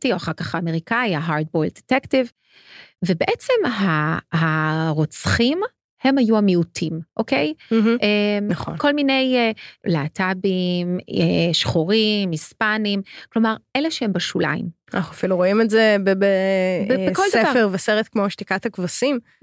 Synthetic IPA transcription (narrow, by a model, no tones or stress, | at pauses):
tioaχaʁkaχaːme̞ʁikaiaɦaʁd̚bojld̥̪etektiv | vebeʔet͡semɦaɦaʁot͡sχim | he̞majuamiutʰimʔokej̩ɦ̩ʔemnaχo̰nko̞lminejlaːtabimeʃχoʁimhispanimklo̞maʁʔeleʃehembaʃula̰ḭm | anaχuafiluʁoimezebebebekoldsdevafeʁveseʁet̪kmoʃt̪ikatakvasim